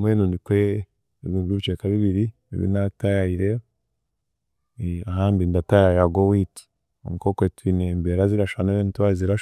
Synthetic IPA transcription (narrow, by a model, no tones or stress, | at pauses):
mweːnuːndikwe | βuɡɾiβit͡ʃekaβiβiɾi | ḛβḭnatajaiɾe | aɦaːndindatajajaɡowiːti̥ | o̰mukokwetwinembeɾaziɾaʃaneɾentwaɾiziɾaʃ